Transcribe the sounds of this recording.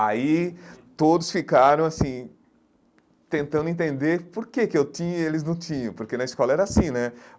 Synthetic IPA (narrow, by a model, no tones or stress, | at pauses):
a̰it̪od̪ʊsfikaɾɐ̃w̃asĩ | t̪ẽnt̪ɐ̃nd̪ʊẽnt̪ẽnd̪eɾpoɾkekɪewt̪ĩɲɐelɪznɐ̃w̃t̪ĩɲɐ̃poɾkenɐiskɔlɐɛɾɐasĩnɛ